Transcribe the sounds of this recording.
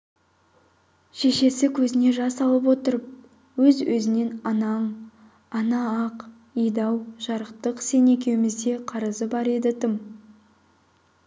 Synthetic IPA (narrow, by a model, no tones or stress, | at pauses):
ʃe̞ʃe̞sɪkʲʰɵzɪne̞ʒɑsɑlˠəp̬wo̞t̪əɾəp̚ | wɵzwɵzɪne̞nɑnɑɴ | ɑnɑɑq | ijd̪ɑwʒ̥ɑɾəqt̪əqse̞ne̞kʲe̞wɪmɪzd̪e̞qʰɑɾəzəbɑɾe̞d̪ɪt̪ʰɪm